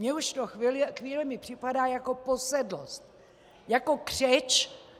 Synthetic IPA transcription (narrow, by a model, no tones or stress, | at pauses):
ɲɛuʃt̪oxilxʋiːlɛmɪpr̥ɪpadaːjako̞po̞sɛdlo̰st̪̚ | jako̞kr̝̥ɛt͡ʃ